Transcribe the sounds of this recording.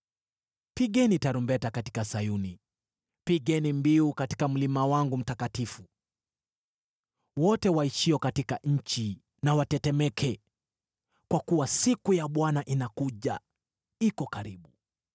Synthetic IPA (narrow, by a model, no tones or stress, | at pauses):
piɠɛnitaɾumbɛtakati̥kasajuni | piɠɛnimbiukati̥kam̩limawaŋɡum̩takatifu | wɔtɛwaiʃiɔkatikaɲ̩t͡ʃi | nawatɛtɛmɛkʰɛ | kwakuwasikujaɓwanaʔinakuʄa | ikɔkaɾiɓu